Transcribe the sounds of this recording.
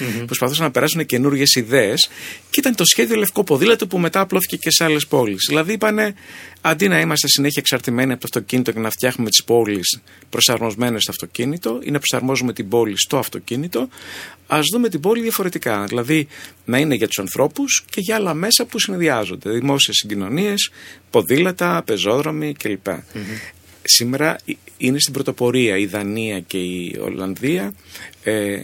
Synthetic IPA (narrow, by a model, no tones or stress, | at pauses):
pɾo̞spɐθusɐnɐpe̞ɾɐsunece̞nuɾʝe̞siðeesceit̪ɐnet̪o̞sçe̞ðio̞le̞fko̞po̞ðilɐt̪upume̞t̪ɐːplo̞θi̥ce̞ce̞seɐle̞spo̞lisðilɐðiipɐne̞ɐnd̪inɐimɐst̪e̞sine̞çɐeksɐɾt̪ime̞niɐpot̪oɐ̥ft̪o̞cinit̪oce̞nɐft̪jɐxnume̞t̪ispo̞lis | pɾo̞sɐɾmo̞zme̞nest̪oɐft̪o̞cinit̪o̞ḭnɐpɾosɐɾmo̞zume̞t̪ibo̞list̪o̞ɐft̪o̞cinit̪o̞ɐzðume̞t̪ibo̞liðʝɐfo̞ɾe̞t̪ikɐðilɐðinɐine̞ʝɐt̪u̥sɐnθɾʔo̞pusce̞ʝɐɐlɐme̞sɐpusineðiɐzo̞̰nd̪e̞ðimo̞sie̞siɟino̞nie̞spo̞ðilɐt̪ɐpe̞zo̞ðɾo̞micelipɐ̰ | sime̞ɾɐine̞st̪ibɾo̞t̪o̞po̞ɾiɐiðɐniɐce̞io̰lɐ̰nðiɐe